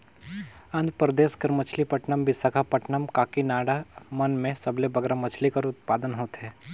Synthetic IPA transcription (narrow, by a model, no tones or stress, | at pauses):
ɐ̃nd̪pɾəd̪eːskɪɾmət͡ʃʰlipɐʈnəmbʱɪsakʰapɐʈnəmkaːkinaːɽamɐnmẽsɐblebɐɡɾamɐt͡ʃʰlikɐɾʊt̪̚paːd̪ənɦoːt̪ɦɛː